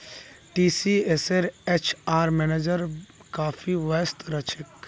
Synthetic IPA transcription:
ʈiːsieseɾet͡ʃʰaːɾmɛned͡ʒəɾkaːfʰiʋɐst̪ɾɐt͡ʃʰek

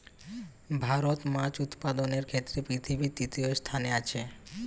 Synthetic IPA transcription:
bʱaɾot̪mãt͡ɕut̪pad̪oneɾkʰet̪ːɾepɾit̪ʰibʱit̪it̪iost̪ʰaneat͡ɕʰe

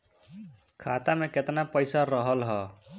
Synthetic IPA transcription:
kʰat̪ameket̪napəjsaɾəɦəlɦɔ

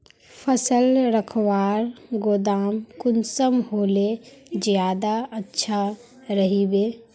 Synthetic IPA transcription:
pʰəsəlɾəkʰwaːɾɡoːd̪aːmkʊnsəmɦoːlezjaːd̪aətːʃʰa | ɾəɦibeː

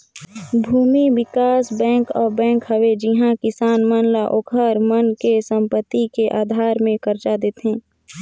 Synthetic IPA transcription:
bʱuːmiwɪkaːsbɛ̃ːŋkɔːɾbɛ̃ːŋkɦəʋed͡ʒɪɦãkɪsaːnmənlaʔokʰəɾmənkesə̃mpət̪ːikeʔaːd̪ʱaːɾmẽkəɾt͡ʃad̪eːt̪ɦɛ̃ː

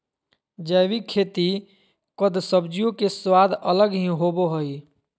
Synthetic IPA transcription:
d͡ʒəjʋikʰːet̪i | kəd̪səbd͡ʒijõkeswad̪ʱələɡɦĩɦoboɦəj

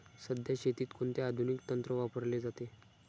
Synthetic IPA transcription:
səd̪ʱjaɕʰet̪iːt̪kʰoɳt̪ead̪ʱunikt̪ənt̪ɾəʋapəɾled͡zat̪e

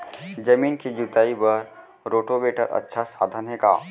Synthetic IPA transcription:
d͡ʒɐmiːnkid͡ʒut̪aːibɐɾ | ɾoːʈobeːʈə̰ɾʔɐ̰tːʃʰasa̰ːd̪ʱənɦeːka̰ː

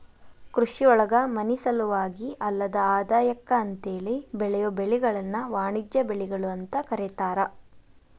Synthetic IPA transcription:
kɾuʂiɔɭɐɡɐmɐnisɐluʋaːɡiʔɐlːɐd̪ɐaːd̪aːjɐkːɐːnt̪eːɭibɛɭɛjobeɭiɡɐɭɐnːɐʋaːɳid͡ʒjɐbeɭiɡɐɭuɐnt̪ɐkɐɾɛt̪aːɾɐ

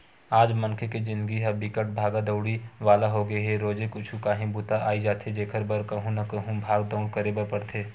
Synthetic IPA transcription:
aːd͡ʒmɐ̃nkʰeked͡ʒɪ̃nd̪ɡiɦɛbikəʈ̚bʱaːɡad̪əʊɽiʋaːlaɦoɡəeɦeɾoːd͡ʒekʊt͡ʃʰũkaːɦĩbuːt̪aʔaːid͡ʒaːt̪ʰed͡ʒeːkʰəɾbəɾkɐɦũnɐkɐɦũbʱaːɡd̪əʊɽkɐɾebəɾpɐɽt̪ʰeː

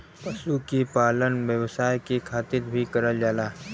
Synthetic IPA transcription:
pəsukipaːlənʋjəʋsaːjkikʰaːt̪ɪɾbʱikɐɾəld͡ʒaːlaː

